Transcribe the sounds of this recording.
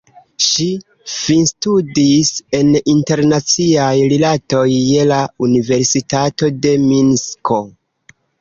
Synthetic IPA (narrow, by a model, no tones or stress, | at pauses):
ʃi | finstudise̞ninte̞ɾnat͡siajɾilato̞jːe̞launive̞ɾsitato̞de̞minskʰo̞